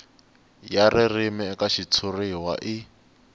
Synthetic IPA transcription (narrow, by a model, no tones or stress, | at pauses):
jaririmɛːkaʃit͡sʰuriwa̰ʔi